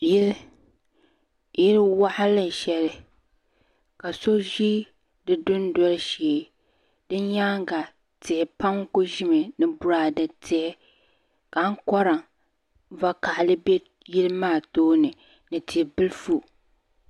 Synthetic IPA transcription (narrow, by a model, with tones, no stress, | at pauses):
ji˦ | jɪ˦lwa˦ʔa˦lɨ˦n˨ʃɛ˨lɪ˨ | ka˨so˦ʒi˦ | dɨ˦dʊ˦n˦dɔ˦lʃeː˨ | dɨ˦ɲa˦ŋ˦ɡa˨ | tɪ˨ɛ˨pa˦ŋ˦ko˦ʒɪ˦mɨ˨nɨ˦bʊ˦ɾaː˨dɨ˨tʰɪ˨ɛ˦ | ka˨˦ŋ̩˦kɔ˦ɾa˨ | va˦ka˨ʔlɨ˦be˦ | ji˦lmaː˦˨toː˦nɨ˨ | nɨ˨tʰi˨bɨ˦lfu˦